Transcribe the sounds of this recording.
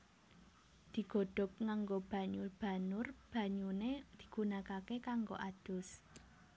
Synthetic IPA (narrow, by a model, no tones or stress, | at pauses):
d̪̥i̤ɡ̥o̤ɖ̥ɔ̤p̚ŋaŋɡob̥ä̤ɲurb̥ä̤nʊrb̥ä̤ɲuned̪̥i̥̤ɡ̥unakakekaŋɡo̰ʔad̪̥ʊ̤s